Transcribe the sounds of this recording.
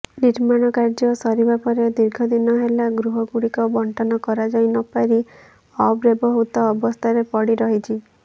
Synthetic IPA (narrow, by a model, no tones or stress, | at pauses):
niɾmaɽ̃ɔkaɾd͡ʒɔsɔɾibapɔɾed̪iɾɡʱɔd̪inɔɦelaɡɾuɦɔɡuɽikɔbɔɳʈɔnɔkɔɾad͡ʒajnɔpaɾi | ɔbɾebɔɦut̪ɔːbɔst̪ʰaɾepɔɽiɾɔɦit͡ʃʰi